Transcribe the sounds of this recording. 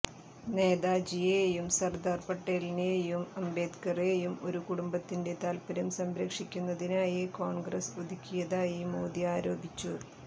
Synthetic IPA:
ne̞ːd̪aːd͡ʑijejumsɐrd̪aːrpɐʈːelineːjumɐmbe̞ːd̪kɐreːjumo̞̰ɾukuɽumbɐt̪ːinde̞t̪aːlpɐɾɐmsɐmɾɐkʂikʲːunːɐðinaːjikoːɳɡrɐsod̪ikʲːijɐðaːjimoːd̪iaːɾo̞ːbʱit͡ɕːu

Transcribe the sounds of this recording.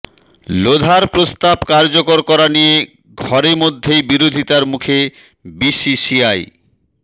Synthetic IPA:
lod̪ʱaɾpɾost̪abkaɾd͡ʑokoɾkɔɾanije | ɡʱɔɾemod̪ʱːejbiɾod̪ʱit̪aɾmukʰe | bisisiaj

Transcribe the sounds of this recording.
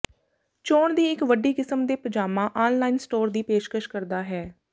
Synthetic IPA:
t͡ʃoːɳd̪iːɪkʋəɖiːkɪsəmd̪eːpəd͡ʒaːmãːʔaːnlaːinsʈoːɾd̪iːpeːʃkəʃkəɾd̪aːɦɛː

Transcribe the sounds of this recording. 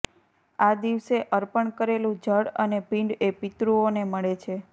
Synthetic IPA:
ad̪iʋseʔəɾpəɳkəɾelũd͡ʒəɽənepĩɳɖepit̪ɾuoneməɭet͡ʃʰe

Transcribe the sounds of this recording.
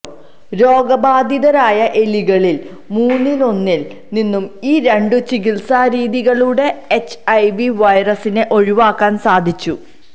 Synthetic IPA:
ɾo̞ːɡɐbaːd̪ʱiðɐɾaːjɐʔe̞liɣɐɭil | muːnːilo̞nːil | ninːumiːɾe̞ɳɖut͡ɕikilsaːɾiːðiɣɐɭuːɽe̞ːt͡ɕːɐjʋiʋɐjrɐsine̞ʔo̞ɻiʋaːkːaːnsaːd̪ʱit͡ɕːu

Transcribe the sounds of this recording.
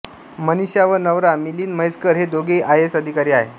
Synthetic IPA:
məniɕjaʋəɾnəʋɾamiliːnməjskəɾɦed̪oɡeʔajesəd̪ʱikaɾiːaɦe

